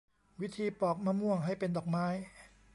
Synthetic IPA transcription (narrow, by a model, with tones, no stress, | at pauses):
wi˦˥t̪ʰiː˧pɔː˨˩k̚maː˧˥mu˥˩əŋɦa˥˩jpe˧ndɔː˨˩k̚maː˦˥j